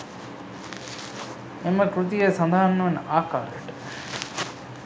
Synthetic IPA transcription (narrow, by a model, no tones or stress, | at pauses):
emɐkɾut̪ijesɐnd̪aːnːɐʋɐnaːka̰ːɾɐeʈ